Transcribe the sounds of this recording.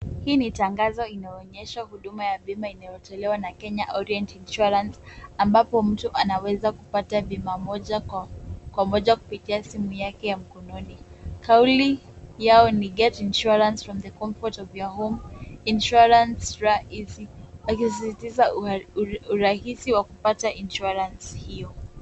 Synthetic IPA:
hiːnitaŋɡazɔinaɔɲɛʃahuɗumajaɓimainajɔtɔlɛwanakɛɲaʔɔɾiɛ̃ntinʃuɾãnsambapɔm̩tuʔanawɛzakupataɓimamɔʄa | kwamɔʄaku̥pitiasimujakɛjam̩kɔnɔnikauli | jaɔniɡɛtinʃuɾãnsfɹɔmðəkɔɱfɔtɔvjaɦɔminʃuɾansɹaisiakisisitiza | uɾahisiwakupataʔinʃuaɾanshijɔ

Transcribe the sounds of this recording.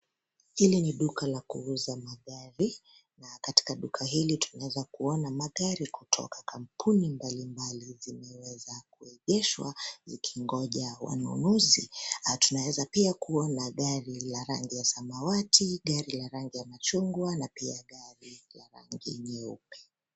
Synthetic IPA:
hiliniɗukalakṵuzamaɠaɾi | nakati̥kaɗukʰaɦilitu̥nawɛzakuɔnamaɠaɾikutʰɔ̰kḁkam̩pʰunimbalimbalizimɛwɛzakuɛʄɛʃwa̰zikʰiŋɡɔʄawa̰nṵnuzitunawɛzapiakuɔnaɠaɾilaɾaŋɡijasamawatʰiɠaɾilaɾaŋɡijamat͡ʃuŋɡwanapiaɠaɾilaɾa̰ŋɡḭɲɛṵpɛ̥

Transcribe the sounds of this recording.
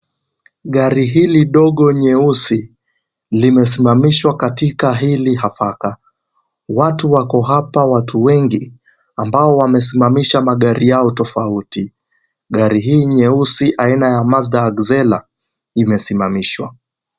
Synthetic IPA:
ɠaɾiɦiliɗɔɠɔɲɛusi | limɛs̬imamiʃwakatikaɦilihafaka | watuwakɔɦapawatʰuwɛŋɡi | ambaɔwamɛs̬imamiʃamaɠaɾʔijaɔtɔfauti | ɠaɾiɦiːɲɛusiʔainajamazdaːɡzɛla | imɛsimamiʃwa̰

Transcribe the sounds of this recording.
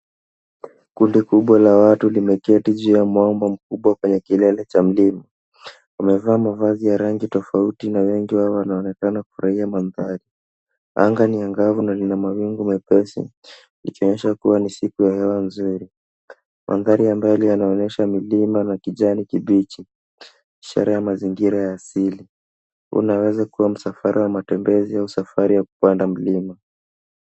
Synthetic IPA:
kundikuɓwalawatulimɛkiɛtiʄijamwambam̩kuɓwakwɛɲɛkilɛlɛt͡ʃam̩lima | wamɛvaːmavazijaɾaŋɡitɔfautinawɛŋɡiwaɔwanaɔnɛkanaku̥fuɾʔaiamanðaɾi | a̰ŋɡaniaŋɡavunalinamawiŋɡumɛpɛsḭ | likiɔɲɛʃakuwanisikujahɛwanzuɾi | mʔa̰nðaɾiambajɔlianaɔnɛʃamilimanakiʄanikiɓit͡ʃi | iʃa̰ɾajamaziŋɡiɾajaːsili | ṵnawɛzakuwam̩safaɾʔawamatɛmbɛziausafaɾijaku̥pandam̩lima

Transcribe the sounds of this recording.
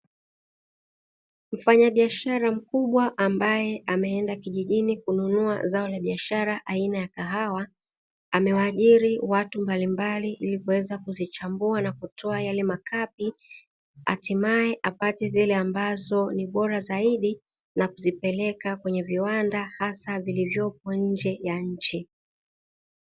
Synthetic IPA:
m̩faɲaɓiaʃaɾam̩kuɓwaʔambajɛʔamɛɛndakiʄiʄinikununuazaɔlaɓiaʃaɾaʔainajakaɦawa | amɛwaaʄiɾiwatumbalimbaliʔilikuwɛzakuzit͡ʃambuanakutʰɔajalɛmakʰapi | a̰timaɛʔapatɛzilɛambazɔniɓɔɾazaiɗi | nakuzipɛlɛkakwɛɲɛviwandahasavilivjɔp̚ɔɲ̩d͡ʒɛjaɲ̩t͡ʃi

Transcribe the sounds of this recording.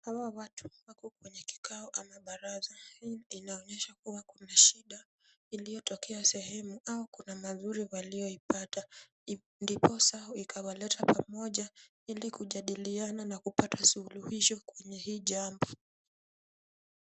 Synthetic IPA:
hawawatʰu̥wakɔkwɛɲɛki̥kʰaɔʔamaɓaɾazahiinaɔɲɛʃakuwakunaʃiɗa | ilijɔtʰɔkʰɛasɛhɛmuaukunamazuɾiwaliɔipata | ndipʰɔsaɔikʰawalɛtʰapamɔʄa | ilikuʄaɗiliananakupatʰasuuluhiʃɔkwɛɲɛhiːʄambɔ

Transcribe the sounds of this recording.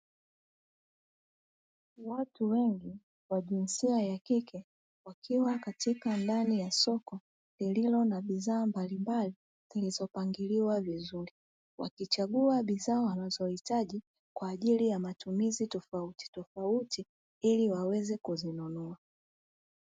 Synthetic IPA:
watuwɛŋɡi | waʄinsiajakikʰɛ | wakʰiwakatikandanijasɔkɔ | lililɔnaɓiðaːmbalimbali | z̥ilizɔpaŋɡiliwavizuɾi | wa̰kit͡ʃaɠuaɓizaːwanazɔhitaʄi | kwaːʄilijamatumizitɔfauti̥tɔfauti | iliwawɛzɛkuzinunɔa

